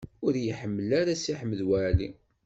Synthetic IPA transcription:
ʊɾjəħəmːəlaɾasiħəmːəðwælḭ

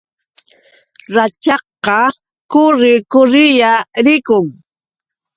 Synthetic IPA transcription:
ɾat͡ʃɑqːɑ | kʊɾɪkʊɾɪjaɾɪkʊŋ

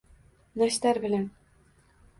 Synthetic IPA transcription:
naʃt̪aɾbɪlan

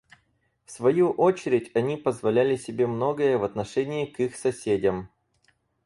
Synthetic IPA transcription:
fsvɐjuʔo̞t͡ɕɪɾʲɪtʲɐnʲipəzvɐlʲælʲɪsʲɪbʲe̞mno̞ɡəjəvɐt̪nɐʂɛnʲɪːkixsɐsʲedʲəm

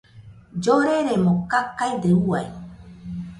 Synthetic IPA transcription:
d͡ʒoɾeɾemokakajd̪euaj

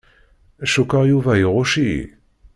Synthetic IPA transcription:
ʃokaʁjovaeʁoʃi

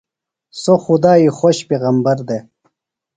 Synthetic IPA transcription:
soxud̪aːixoɕpeːɣɐmbɐɾd̪e

